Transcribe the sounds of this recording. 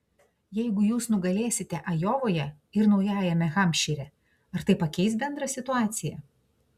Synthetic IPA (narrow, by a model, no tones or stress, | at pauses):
jɛɪɡʊjuːsnʊɡɐlʲeːsʲɪt̪ʲɛʔɐjoːʋoːjɛ | ɪɾnɒʊjæːjɛmʲɛɣɐmʲʃʲiːɾʲɛ | ɐɾt̪ɐɪpɐkʲɛɪsbʲɛnd̪ɾɐsʲɪt̪ʊɑːt̪sʲɪjɛ